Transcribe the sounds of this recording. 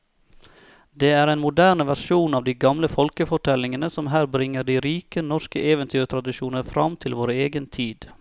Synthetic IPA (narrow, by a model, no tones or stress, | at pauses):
d̪eːæːɾeːnmʊd̪æːɳəʋæʃuːnɑːʋd̪iːɡɑmləfɔlkəfɔʈʰɛlɪŋənəsɔmɦæːɾbɾɪŋːəɖiːɾiːkənɔʂkəʔeːʋənt̪ʰyːɾt̪ʰɾɑd̪ɪʃuːnəɾfɾɑmt̪ʰɪlʋoːɾeːɡənt̪ʰiːd̪